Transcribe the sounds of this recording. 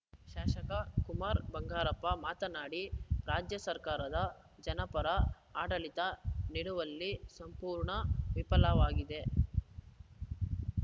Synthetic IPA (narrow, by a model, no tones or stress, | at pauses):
ʃaːʃɐkɐkumaːɾbɐŋɡaːɾɐpːɐmaːt̪ɐnaːɽiɾaːd͡ʒjɐsɐɾkaːɾɐd̪ɐ | d͡ʒɐnɐpɐɾɐ | aːʈɐlit̪ɐniɽuʋɐlːisɐmpuːɾɳɐʋipɐlɐʋaːɡid̪e̞